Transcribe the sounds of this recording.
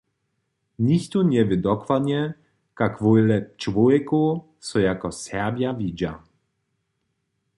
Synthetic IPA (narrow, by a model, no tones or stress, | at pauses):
nixt̪unɛvɪd̪ɔkwad̪ɲɛ | kakvojlɛt͡ʃvoɛko | sɔjakɔsɛʁbjavʲid͡ʑa